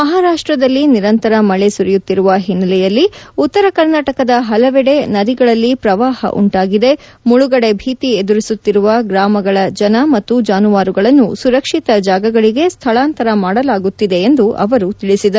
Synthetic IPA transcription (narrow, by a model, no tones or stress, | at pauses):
mɐɦaːɾaːʂʈɾɐd̪ɐlːiniɾɐnt̪ɐɾɐmɐɭe̞suɾijut̪ːiɾuʋɐɦinːɐlɛjɐlːiut̪ːɐɾɐkɐɾnaːʈɐkɐd̪ɐɦɐlɐʋɛɽe̞nɐɾiɡɐɭɐlːipɾɐʋaːhɐ̰ʔṵɳʈaːɡid̪e̞ | muɭuɡɐɽe̞bʱiːt̪ied̪uɾisut̪ːiɾuʋɐɡɾaːmɐɡɐɭɐd͡ʒɐnɐmɐt̪ːud͡ʒaːnuʋaːɾuɡɐɭɐnːusuɾɐkʂit̪ɐd͡ʒaːɡɐɡɐɭiɡe̞st̪ʰɐɭaːnt̪ɐɾɐmaːɽɐlaːɡut̪ːid̪e̞ːnd̪uʔɐ̰ʋɐɾut̪iɭisid̪ɐɾu